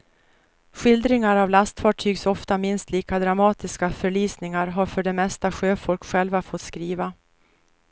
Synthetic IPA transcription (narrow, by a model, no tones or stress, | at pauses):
ɧɪld̪ɾɪŋaɾavlast̪fɑːʈʰyːɡsɔft̪amɪnst̪liːkad̪ɾamɑːt̪ɪskafœɭyːsnɪŋaɾɦaɾfœɖɛmɛst̪aɧøːfɔlkɧɛlvafɔt̪skɾiːva